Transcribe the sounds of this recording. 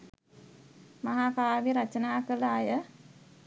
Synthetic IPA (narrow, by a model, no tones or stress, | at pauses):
maɦakaːʋiɾat͡ʃənaːkəlaːjə